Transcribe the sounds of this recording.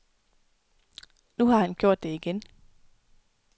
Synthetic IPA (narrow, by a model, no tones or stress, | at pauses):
nuhɑ̈hænɡ̥jo̝ɐ̰d̥ːe̝iɡ̥en